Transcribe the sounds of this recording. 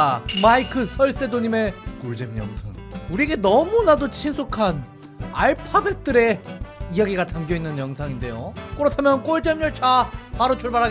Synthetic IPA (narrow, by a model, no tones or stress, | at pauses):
maikʰɯsʰʌɭss͈e̞doɲime̞kuɭd͡ʑemjʌ̰ŋsʰa̰ŋuɾiɡe̞nʌmunadot͡ɕʰinsʰokʰan | a̰ɭpʰabet̚t͈ɯɾe̞ijaɡiɡatʰamɡjʌinːɯnjʌŋsʰaŋinde̞jokɯɾʌtʰamjʌnk͈oɭt͡ɕ͈emɲʌɭt͡ɕʰapaɾot͡ɕʰoɭbaɾɦaɡ